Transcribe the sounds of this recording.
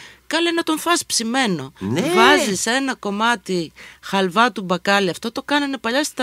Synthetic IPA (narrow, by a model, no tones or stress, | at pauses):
kɐlenɐt̪o̞ɱfɐspsime̞no̞vɐzise̞nɐko̞mɐt̪ixɐlvɐt̪ubɐkɐliɐft̪o̞t̪o̞kɐnɐne̞pɐʎɐst̪ɐ